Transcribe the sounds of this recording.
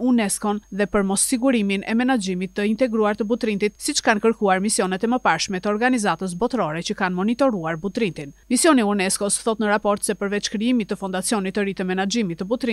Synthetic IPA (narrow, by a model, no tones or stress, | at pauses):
unɛskɔnðɛpəɾmɔsːiɡuɾiminɛ̰mɛnad͡ʒimit̪ːəint̪ɛɡɾuaɾt̪əbut̪ɾint̪it̪sit͡ʃə̥kankəɾkuaɾmisijɔnɛt̪ɛməpaɾʃmɛt̪əɔɾɡanizat̪əs̬bɔt̪ɾɔɾɛt͡ɕəkanmɔnit̪ɔɾuaɾbut̪ɾint̪inmisjɔniunɛskɔsθɔt̪nəɾapɔɾt̪sɛpəɾvɛt͡ʃkɾiimit̪ːəfɔnd̪at͡siɔnit̪ːəɾit̪ɛmɛnad͡ʒimit̪ːəbut̪ɾi